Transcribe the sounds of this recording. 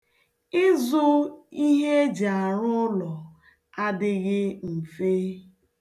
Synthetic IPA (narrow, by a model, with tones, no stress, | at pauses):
ɪ˦zʊ˦i˦ɦe˦d͡ʒa˨ɾʊ˦lɔ˨ | a˦dɪ˦ɣɪ˦m̩˨fe˦